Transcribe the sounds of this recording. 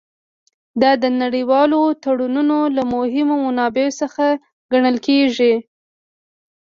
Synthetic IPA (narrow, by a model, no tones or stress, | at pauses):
d̪ɑd̪ənaɽiwɑlot̪aɽununolamʊɦɪmomʊnɑbeosəxa | ɡaɳəlkeʒi